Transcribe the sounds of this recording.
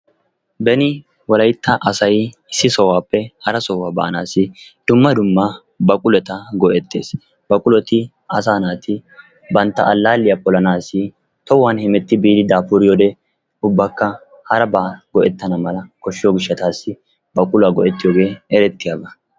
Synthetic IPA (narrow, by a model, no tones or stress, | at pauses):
bɛnɪ | wɔlɐjt̪ːɐʔɐsɐj | ɪsːɪsɔwaːpːɛhɐɾɐsɔwaːbɐ̰ʔɐnaːsɪd̪̥ʊmːɐd̪ʊmːɐ | bɐkʼʊlɛt̪ɐɡɔʔɛt̪ːeːs | bɐkʼʊlɔt̪ɪ | ɐs̬aːnaːt̪ɪ | bɐnt̪ːɐʔɐlːaːlːɪjɐpʼɔlɐnaːsɪ | t̪ɔwːaːnhɪmɛt̪ːɪbiːd̪ɪd̪aːpʊɾɪjɔd̪ɛ | ʊbːɐkːɐ | hɐɾɐbaːɡɔʔɛt̪ːɐnɐmɐlɐkɔʃːɪjoːɡɪʃːɐt̪aːsːɪ | bɐkʼʊlaːɡɔʔɛt̪ːɪjoːɡe̞ːɛɾɛt̪ːɪjaːbɐ